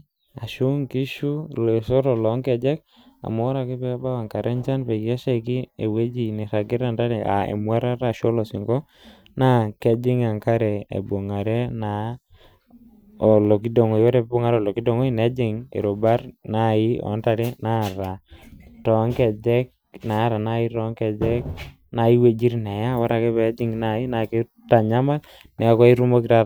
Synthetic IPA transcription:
a˨ʃu˦ŋki˦ʃu˦le˨so˦ɾɔ˨lɔ˨˦ŋkɛ˨d͡ʒɛ˦k̚ | a̰˨mɔ˨˦ɾa˨kɪ˦pɛ˦ba˦wa˨ŋka˨ɾɛ˦ɲt͡ʃa˦npɛ˨jɛ˦ʃa˦˨ki˦e˨we˦d͡ʒi˨ni˨ɾa˨ɡɪ˦ɾa˨nda˦ɾɛ˨ʔa̰˨ḛ˨mwa˦ɾa˦ɾa˨ʃo˦lɔ˨si˨ŋɡɔ˦ | na˦kɛ˦d͡ʒɪ˦ŋa˨ŋka˦ɾɛ˨ḛ˨bo˨ŋa˨ɾɛ˦na˨ | o˨lo˨ki˦do˨ŋo˨jwa˦ɾɛ˨bo˦ŋa˦ɾɔ˨lo˨ki˦do˨ŋo˦i˦nɛ˦d͡ʒɪ˦˨ŋḛ˨ɾo˨ba˦ɾna˦i˦ɔ̰˨˦nta˦ɾe˦na˦ɾa˨tɔ˨˦ŋkɛ˨d͡ʒɛ˦k̚ | na˨˦ɾa˨na˦i˦ɾɔ˦ŋkɛ˨d͡ʒɛ˦k | na˨i˦we˦d͡ʒi˦ɾnɛ˨ja˦wa˦ɾa˨kɛ˦bɛ˨˦d͡ʒɪ˦ŋna˨i˦na˨ke˦ | ta˨ɲa˦ma˦t | nɛ˨˦kɔ˦i˦ɾu˦mo˦kiɾa˦

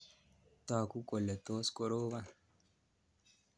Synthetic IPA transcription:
t̪aː˨ku˦ko˨le˨t̪oː˦sko˦ɾoː˦βa˦

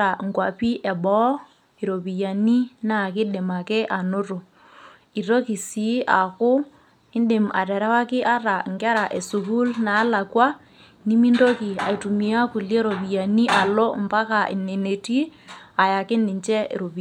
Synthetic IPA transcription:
a˨ŋkwa˨pi˦ʔɛ˨bɔ˦ | e˨ɾo˨pi˨ja˨ni˦na˦˨kɪ˦ɗɪ˨ma˨kɛ˦ʔa˨nʊ˦ro˨ | i˨ɾo˦ki˨si˨˦ʔa̰˨kʊ˦ | ɪ˦nde˨ma̰˨tɛ˨ɾɛ˦wa˦kɪ˦ʔa˦ɾa˨ŋɡɛ˦ɾa˨ʔɛ˨su˨ku˦lnaː˨˦la˨kwa˦ | ni˦mi˦ndo˦ki˨a̰˨i˨tu˨mi˨a˦ku˨lje˦ɾo˨pi˨ja˨ni˦ʔa˨lɔ˦mba˦ka˨ɪ̰˨ne˨ne˨ti˦a˨ja˨kɪ˦nɪ˨ɲt͡ʃɛ˦ḛ˨ɾo˨pi˨

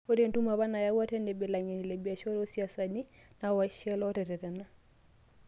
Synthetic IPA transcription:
o˦ɾentu˦ma˨βa˦na˨ja˦wa˦tɛ˦ndɛ˨be˨laŋe˨ni˨le˨bia˨ʃɔ˦ɾo˦sia˨sani˦nawaʃɛ˦lɔ˦ɾɛ˨ɾɛ˨ɾɛ˨na˦

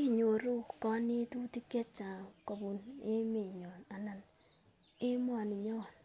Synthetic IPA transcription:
i˦ɲo˨ɾu˦kɔ˦ne˦tu˦ti˦kje˦t͡ʃa˨ko˨bu˨ne˦me˨ɲɔ˨na˨na˨n | e˦mwa˨ni˨ɲɔ˦˨n

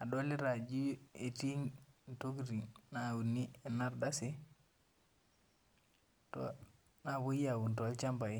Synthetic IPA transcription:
a˨do˦li˦ɾa˨d͡ʒi˦e˨ti˦ŋn˨to˦ɡɾi˨ŋnawu˨nːi˦e˨na˦ɾda˦si˦ | to̰ | na˨bo˦i˦a˨wu˨nto˨lt͡ʃa˦mba˨i˦

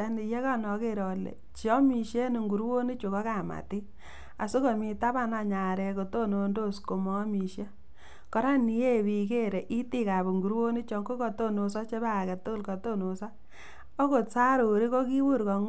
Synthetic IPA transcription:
a˦ni˨je˦ka˦nɔ˨ke˦˨ɾo˨lḛ˨t͡ʃɔ˦mi˨ʃe˦ni˨ŋɡu˨ɾwo˦ni˦t͡ʃu˨kɔ˦ka˨ma̰˨ti˦ | a˨su˦ko˨mi˨ta˦ba˦˨na˧ɲa˨ɾɛ˨ko˨to˦no˧ndo˦˨sko˨mɔ˦mi˨ʃje˦ | kɔ˦ɾa˦ni˦e˦˨wi˨ke˦ɾe˨ʔi˦ti˦ka˨bu˨ŋɡu˨ɾwo˦ni˦t͡ʃɔ˨ŋko˦ko˨to˦nu˨sɔ˦t͡ʃe˦ba˦˨kɛ˨tu˦ku˦lkɔ˨to˦no˨sa˦ | o˦ko˨tsa˦ɾu˨ɾi˦ko˦ki˦wu˦ɾkɔ˨

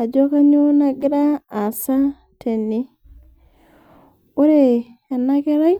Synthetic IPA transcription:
a˨d͡ʒo˦ka˦ɲo˦na˦ɡi˦ɾaː˦˨sa˦ | tʰe˨nːi˦ | o˦ɾeː˨nːa˦ke˦ɾa˦j

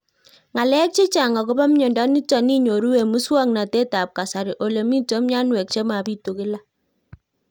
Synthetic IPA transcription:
ŋa˨lɛ˦k̚t͡ʃe˦t͡ʃa˨ŋa˨ko˦ba˦mɲo˨ndɔ˦ni˦tɔ˨ni˦ɲo˨ɾu˦we˨mu˦swa˦˨ŋna˨te˦ta˨p̚ka˨sa˨ɾɪ˨ʔo˨le˨mi˦to˨˦m˦ɲa˦nwɛ˨k̚t͡ʃe˦ma˨pi˦to˨kɪ˦la˦

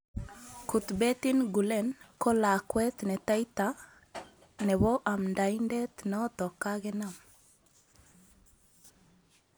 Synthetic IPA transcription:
ku˨t̪bɛ˦t̪inɡu˨lɛnkɔ˦la˨kwɛ˦t̪nɛ˨t̪a˦jt̪a | nɛ˨βɔʔa˨mnda˨indɛ˦t̪nɔ˦t̪ɔ˨ka˦ɣɛ˦na˨m

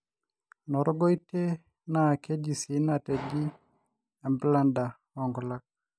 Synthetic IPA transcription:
nɔ˨ɾɔ˦ɡɔ˦ite˦ | na˨ke˦d͡ʒi˨si˨˦na˨te˨d͡ʒi˦ | a˨mbla˦nda˨ | ɔ˨ŋɡɔ˨la˦k̚

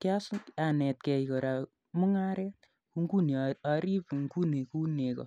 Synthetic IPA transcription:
kja˦sa˨nɛ˨t̚kɛ˨ikɔ˨ɾa˨ | mu˦ŋa˦ɾɛ˦t | ku˧ŋɡu˦ne˨a˧ɾi˦pŋɡu˦ne˨ku˦ne˨kɔ̰˨

